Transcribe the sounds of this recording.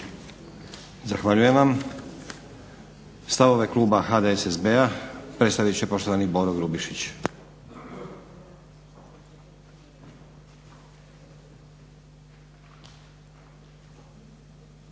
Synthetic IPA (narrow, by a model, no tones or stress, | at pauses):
zaxʋaʎujemʋam | st̪aʋo̞ʋe̞klˠuːbaxad̪eesesbeapɾe̞t̪st̪aʋit͡ɕepo̞ʃt̪oanibo̞ɾoɡɾubiʃit͡ɕ